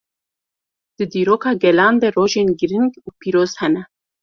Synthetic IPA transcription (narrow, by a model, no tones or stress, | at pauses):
d̪̥ɨd̪iːɾoːkʰɑːɡɛlɑːnd̪eroːʒeːnɡɨɾɨŋɡuːpiːɾoːz̥hɛnɛ